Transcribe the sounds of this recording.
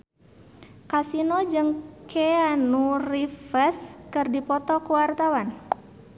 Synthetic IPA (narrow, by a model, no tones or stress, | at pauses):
kasinɔd͡ʒɨŋkʰeanurifəskɨrdipɔt̪ɔkuwart̪awan